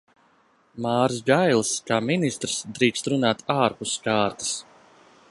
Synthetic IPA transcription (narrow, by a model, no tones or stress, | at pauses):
maːɾsɡajlˠskaːminist̪ɾsd̪ɾiːkst̪ɾunaːt̪ʰaːɾpuskaːɾt̪i̥s